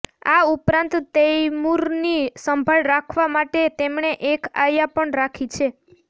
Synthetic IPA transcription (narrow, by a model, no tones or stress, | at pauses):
a̰upɾãnt̪ːejmuɾnisəmbʱaɭɾakʰʋamaʈet̪emɳeʔekajapəɳɾakʰit͡ʃʰe